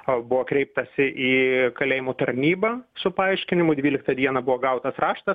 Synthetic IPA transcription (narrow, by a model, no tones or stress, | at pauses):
bʊʋoːkɾʲɛɪp̚t̪ɐsʲɪʔiːkɐlʲeːjɪmʊt̪ɐɾʲnʲiːbɐsʊpɐɐɪʃʲkʲɪnʲɪmʊd̪ʲʋʲiːlʲɪk̚t̪ɐd̪ʲiɛnɐbʊʋoːɡɐʊt̪ɐsrɑːʃt̪ɐ